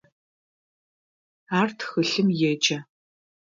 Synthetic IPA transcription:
aːrtʰxɨɬɨmjɛd͡ʒʼɐ

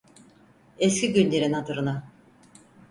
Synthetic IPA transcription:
escʲiɟynlʲe̞ɾinhad̪ɯɾɯna

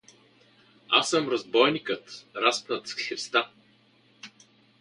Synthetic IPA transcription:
asːəmɾɐzbɔjnikət̪ɾaspnət̪skɛɾst̪a

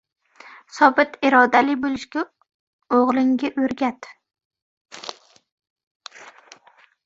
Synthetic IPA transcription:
sɒbɪt̪ɪɾɒd̪alɪbolɪʃkʲa | oʁlˠɪŋɡʲaʔɵɾɡʲat̪

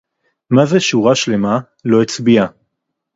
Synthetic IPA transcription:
mazeʃuʁaʃle̞ma | lo̞et͡sbia

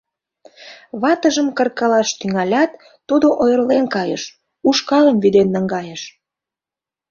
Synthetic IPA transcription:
βɑt̪əʒəmkərkɑlɑʃt̪yŋɑlʲɑt̪ː | ud̪oʔojərlenkɑjə̰ʃ | uʃkɑləmβyd̪enːəŋɡɑjəʃ

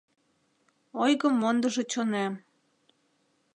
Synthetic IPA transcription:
ojɣəmːond̪ə̆ʒŏt͡ɕonæm

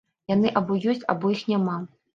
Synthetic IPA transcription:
janɨʔabɔjɔsʲt͡sʲa̰bɔjixnʲama

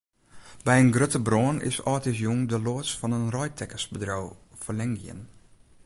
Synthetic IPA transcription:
bɛjənɡrøtəbrɔːnɪ̰sɔːtɪs̬juŋdəloəsfɔnənrɔjtʰɛkəsbədrowfəlɛŋɡjə̰n

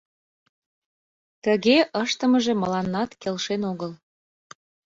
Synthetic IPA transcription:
t̪əɣeʔəʃt̪əməʒemə̆lɑnːɑt̪kelʃenoɣəl

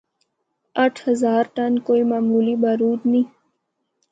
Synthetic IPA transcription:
ɐʈʰhəzaːɾʈənkoːimaːmuːlibaːɾuːd̪ni

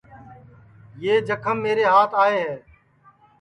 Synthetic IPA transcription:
jeːd͡ʒəkʰəmːeːɾeːɦaːt̪ʰaːeːɦɛː

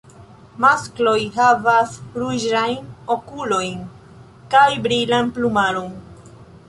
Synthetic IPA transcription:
masklo̞jɦavasɾuʒajno̞kulo̞jn | kajbɾilanplumaɾon

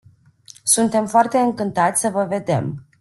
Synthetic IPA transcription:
sunt̪e̞mfoart̪e̞ɨŋkɨnt̪at̪sʲsəvəve̞d̪e̞̰m

